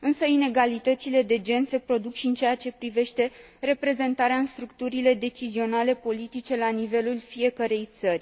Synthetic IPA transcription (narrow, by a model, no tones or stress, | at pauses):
ɨnsəine̞ɡalit̪ət̪sile̞d̪e̞d͡ʒe̞nse̞pɾo̞d̪ukʃiɨnt͡ʃejat͡ʃe̞pɾive̞ʃt̪e̞re̞pɾe̞ze̞nt̪aɾeaɨnst̪ɾukt̪uɾile̞d̪e̞t͡ʃizio̞nale̞po̞lit̪it͡ʃe̞lanive̞lulfie̞kəɾe̞jt̪sərʲ